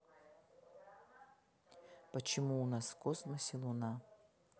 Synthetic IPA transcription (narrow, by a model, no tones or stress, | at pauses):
pət͡ʃʰɪmuːnaskosmɐsʲilˠuna